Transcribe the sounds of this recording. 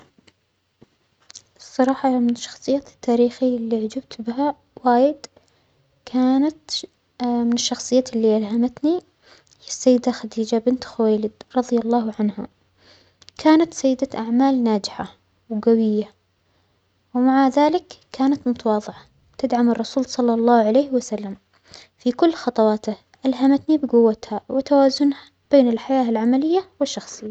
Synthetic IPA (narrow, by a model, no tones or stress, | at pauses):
ʔsˤːɑɾˤɑːħɑmɪnɪʃːɑ̥xsˤɨjːaːt̪ːaːɾiːxilːiʕad͡ʒab̚t̪bɪɦa | waːjɪd̪ | kʰaːnat̪ | mɪnɪʃːɑxsˤɨjːaːlːiʔalhamat̪ni | ɪsːajːɪd̪axad̪iːd͡ʒabɪnt̪xʊwajlɪd̪ɾˤɑðˤjalˤːɑːhʕanha̰ | kʰaːnat̪sajːɪd̪aʔaʕmaːlnaːd͡ʒɪħa | wɡawɪjːa | wɪmaʕaðaːlɪkːaːnat̪mʊt̪awɑːðˤɪʕa | t̪ɪd̪ʕamɑrˤːɑsuːlsˤɑlːɑlˤːɑːhʕalejːhwasalːam | fikʊlːxɑt̪ˤɑwɑːt̪ah | ʔalɦamat̪nibɪɡʊwːat̪hawɪt̪awaːzʊnha | b̥eːnɪlħajaːɪlʕamalɪjːawɪʃːɑxsˤɨjːa